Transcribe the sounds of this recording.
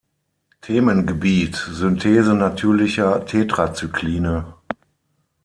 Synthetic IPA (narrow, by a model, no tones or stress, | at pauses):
tʰeːmənɡəbiːtzʏntʰeːzənatʰyːɐlɪçɐtʰeːtʁ̥at͡sykliːnə